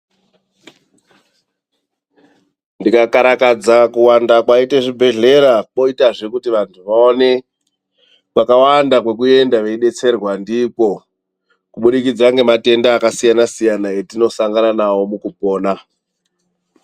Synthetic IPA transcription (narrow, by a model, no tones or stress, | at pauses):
ndikakaɾakad͡zakuwandakwaiteʐibʱe̞ɮe̞ɾak͡po̞itaʐe̞kutiʋantʰuʋaone̞ | ʋakawandakwe̞k̬ue̞ndaʋe̞iɗe̞t͡se̞rwandiko̞ | kuɓuɗikid͡zaŋɡe̞mate̞ndaːkasijanasijanaetino̞saŋɡananawo̞mukupo̞ːna